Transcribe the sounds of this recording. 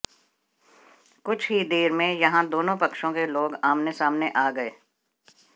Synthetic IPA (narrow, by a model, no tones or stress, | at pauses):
kʊt͡ʃʰɦid̪eːɾmẽjɐɦãd̪oːnõpɐkʃõkeloːɡaːmnesaːmneʔaːɡɐeː